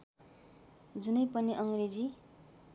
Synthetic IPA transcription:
d͡zunʌjpʌniʔʌŋred͡zi

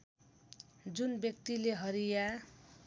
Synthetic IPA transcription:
d͡zunbjʌkt̪ileɦʌɾija

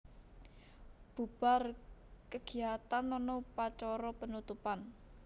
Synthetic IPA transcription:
b̥ub̥a̤rkəɡ̥i̤at̪anɔnɔpat͡ʃɔɾɔpənut̪upan

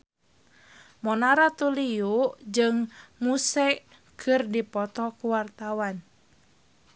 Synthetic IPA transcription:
mɔnaɾat̪uliuʔd͡ʒɨŋmusɛ | kʰɨrdipɔt̪ɔkuwart̪awan

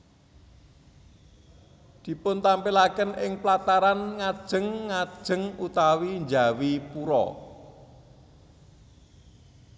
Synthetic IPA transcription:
d̪̥i̤pʊnt̪ampilakənɪŋplat̪aɾanŋad̥ʒ̥ə̤ŋːad̥ʒ̥ə̤ŋut̪awind͡ʒa̤wipuɾɔ̰

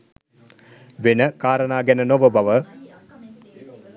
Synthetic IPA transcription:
ʋenəkaːɾənaːɡænənoʋəbaʋə

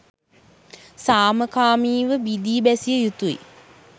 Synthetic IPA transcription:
saːməkaːmiːʋəbid̪iːbæsijəjut̪uḭ

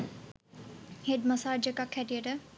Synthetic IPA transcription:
heɖmɐsaːd͡ʒekɐkʰhæʈijəʈə

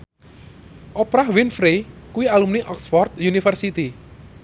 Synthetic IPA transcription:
ʔopɾahwinfɾekuwialumniʔɔksfɔrt̪̚junifərsit̪i

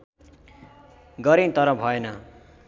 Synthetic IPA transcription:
ɡʌɾĩt̪ʌɾʌbʱʌenʌ

